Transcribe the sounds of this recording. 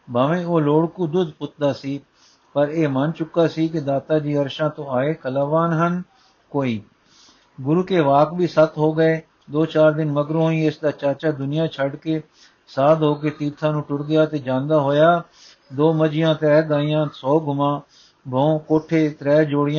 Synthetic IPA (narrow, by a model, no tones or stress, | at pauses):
baːʋẽːoːloːɽkuːd̪ʊd̪pʊt̪̚d̪aːsiː | pəɾeːmənt͡ʃʊkːaːsiːkɪd̪aːt̪aːd͡ʒiːəɾʃãːt̪õːaːeːkəlaːʋaːnɦən | koːiː | ɡʊɾuːkeːʋaːkbiːsət̪ɦoːɡəeː | d̪oːt͡ʃaːɾd̪ɪnməɡɾõːĩːɪsd̪aːt͡ʃaːt͡ʃaːd̪ʊnɪjãːt͡ʃʰəɖkeː | saːd̪ɦoːkeːt̪iːɾt̪ʰãːnũːʈʊɽɡɪjaːt̪eːd͡ʒãːnd̪aːɦoːjaː | d̪oːməd͡ʒɪjãːt̪ɾɛːɡaːijãːsɔːɡʱʊmãː | bʱoõːkoːʈʰːeːt̪ɾɛːd͡ʒoːɽɪjã